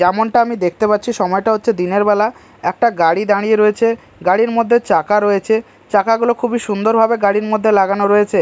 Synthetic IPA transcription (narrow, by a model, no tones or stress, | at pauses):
d͡ʑɛmonʈaamid̪ek̚ʰt̪epatːt͡ɕʰiʃɔmɔeʈaɦotːɕʰed̪ineɾbɛla | ɛk̚ʈaɡaɽid̪aɽ̃ijeɾoet͡ɕʰe | ɡaɽiɾmod̪ʱːet͡ɕakaɾoet͡ɕʰe | t͡ɕakaɡulokʰubiʃund̪oɾbʱabeɡaɽiɾmod̪ʱːelaɡanoɾoet͡ɕʰe